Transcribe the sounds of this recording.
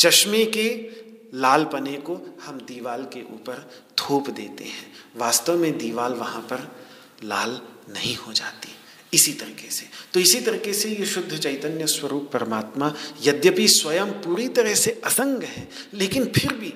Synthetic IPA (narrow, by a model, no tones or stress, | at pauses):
t͡ʃɐʃmeke | laːlpɐnekohɐmd̪iːʋaːlkeʔṵːpəɾ | t̪ʰoːpd̪eːt̪ḛɦɛ̃ːʋaːst̪əʋmẽd̪iːʋaːlʋɐɦãpɐɾ | laːlnɐɦĩhod͡ʒa̰ːt̪i | ɪsit̪ɐɾiːkese̥t̪oɪsit̪ɐɾiːkesejeʃʊd̪ʱːət͡ʃɐɪt̪ənjəswɐɾuːpːɐɾəmaːt̪majɐd̪jəpiswɐjəmpuːɾit̪ɐɾəɦseʔɐsə̃ŋɡɦɛ̃ː | leːkɪnpʰɪɾbʱiː